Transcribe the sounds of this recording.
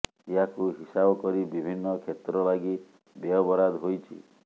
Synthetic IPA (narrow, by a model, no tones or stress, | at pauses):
iakuɦisabɔkɔɾibibʱinːɔkʰjet̪ɾɔlaɡi | beɔbɔɾad̪ɦojt͡ʃʰḭ